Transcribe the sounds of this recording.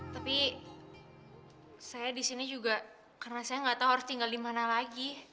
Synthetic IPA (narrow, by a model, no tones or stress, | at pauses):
t̪api | sajadisinid͡ʒuɡa | karnasajaŋɡat̪auɦaɾʊst̪iŋɡaldimanalaɡi